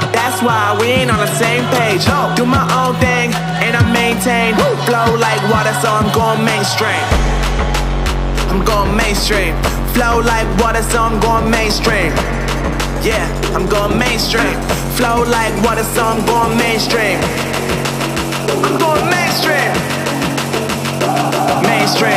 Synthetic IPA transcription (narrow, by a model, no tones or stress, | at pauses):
ðætswaɪwiɪ̃nə̃nðɨsẽɪ̃mpeɪd̥d͡ʒ | d̥ɨmaɪʔõʊ̃nθɪ̃ŋ | ɨ̃naɪmẽɪ̃ntʰẽɪ̃nfloʊlaɪkwɔɾəsoãɪ̃mɡoʊɪ̃ŋmẽɪ̃nstɹ̥ĩm | ãɪ̃mɡoʊɪ̃ŋmẽɪ̃nstɹ̥ĩm | floʊlaɪkwɔɾəsoãɪ̃mɡoʊɪ̃ŋmẽɪ̃nstɹ̥ĩm | jæ | ãɪ̃mɡoʊɪ̃ŋmẽɪ̃nstɹ̥ĩm | floʊlaɪkwɔɾəsoʊãɪ̃mɡoʊɪ̃ŋmẽɪ̃nstɹ̥ĩm | ãɪ̃mɡoʊɪ̃ŋmẽɪ̃nstɹ̥ĩm | mẽɪ̃nstɹ̥ĩ